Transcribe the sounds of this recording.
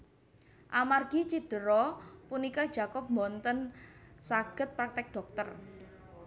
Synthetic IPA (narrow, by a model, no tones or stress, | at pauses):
ʔamarɡ̥it͡ʃiɖ̥ə̤ɾɔpunikɔ̥d͡ʒ̥a̤kɔp̚mɔnt̪ənsaɡ̥ə̤t̪̚pɾak̚t̪ɪk̚ɖ̥ɔ̤k̚t̪ər